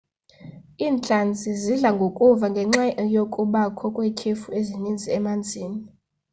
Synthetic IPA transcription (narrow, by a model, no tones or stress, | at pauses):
iːnt͡ɬʼand͡zʱiziɮaŋɡʱokʼuvaŋɡʱɛŋ͡ǁajokʼuɓakʰɔkʼwɛkʰefuezinind͡zʱiɛmand͡zʱiːni